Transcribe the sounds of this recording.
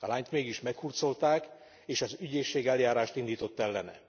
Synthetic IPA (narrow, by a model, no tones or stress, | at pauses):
ɒlaːɲt̪meːɡiʃmɛkhurt̪so̞lt̪aːk | eːʃɒzyɟeːʃːeːɡɛljaːɾaːʃt̪ind̪iːt̪o̞t̪ːɛlːɛnɛ̰